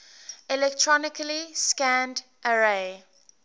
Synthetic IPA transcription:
ilɛk̚tʰɹɔnɪkəliskæ̃nd | ʔəɹe

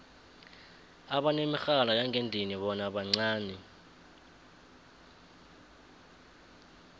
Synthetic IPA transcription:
aɓanemixalajaŋʱendʱiniɓɔnaɓaŋ͡ǀaːnɛ

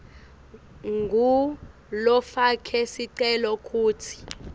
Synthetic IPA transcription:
ŋɡʱu | lɔfakʰɛsiǀɛlɔkʰʼuːtʰi̥

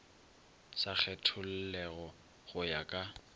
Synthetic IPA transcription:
sak͡xʰɛtʰʊl̩lɛɣɔ | ɣʊjakʼa

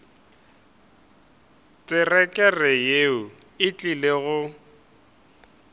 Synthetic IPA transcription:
t͡sʼɪrɛkʼɛrɛjeʊ | ɪt͡ɬʼileɣʊ

